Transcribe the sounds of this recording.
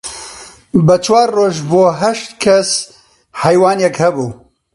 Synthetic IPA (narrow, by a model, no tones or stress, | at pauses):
bət͡ʃʰwaːɾːoːʒboːɦɐʃt̪kʰɐs | hɛjwɑːnjɛkhɐbuː